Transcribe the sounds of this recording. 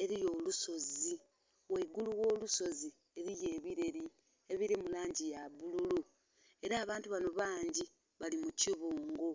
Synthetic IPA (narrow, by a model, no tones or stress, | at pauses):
e̞ɾijo̞ːluso̞zi | weiɡuluwo̞ːluso̞zi | e̞ɾijeːβiɾe̞ɾi | e̞βiɾimulaːɲɟijaβululu | e̞ɾaːβaːntuβano̞βaːɲɟi | βalimuciβuːŋɡo